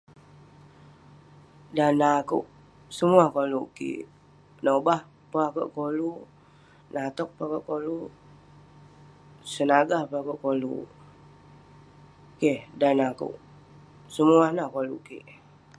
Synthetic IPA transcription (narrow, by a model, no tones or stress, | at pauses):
danakṵʔ | səmuahkoluʔkḭʔ | nobah | pakə̰ʔkolu | nat̪ɔk̚pakəʔkolu | sənaɡahpakuʔkolṵ | kehdanakṵʔ | səmuahnahkoluʔkḭʔ